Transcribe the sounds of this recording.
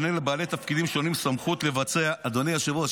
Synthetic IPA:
nelebaːlet̪afkid̪imʃo̞nimsamχut̪le̞vat͡se̞aʔːd̪o̞nejaʃevua

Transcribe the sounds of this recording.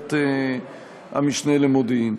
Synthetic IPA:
t̪e | a̰miʃnelemod̪in

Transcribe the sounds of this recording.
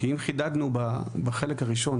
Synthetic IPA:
kiimχidadnubabaχelekhaʁiʃo̞n

